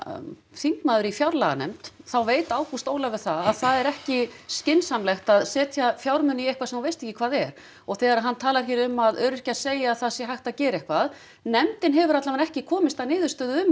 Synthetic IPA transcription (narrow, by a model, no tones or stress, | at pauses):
θiŋknaðʏɾifjawɾlaɣa̰nɛ̰mt̪θawveːjt̪aːwkʰust̪oːwlavɪðθaðaðθaðɛɾɛhcɪscɪnsamlɛxt̪aðsɛːt̪ʰjafjawɾmʏnːiejhkvasɛmhanvejst̪ɛhcːɪkʰv̥aːðɛɾ̥ | ɔɣθɛːɣaɾaɦanːt̪ʰaːlaɛçɛɾʏmːaðœːɾʏr̥cḁseːjaːðθasjɛɦajht̪acɛːɾɛhkʰvað | nɛmt̪ɪnɦɛvʏɾat̪lavanɛhcɪkʰɔːmɪst̪aðnɪːðʏ̥st̪œːðʏʏm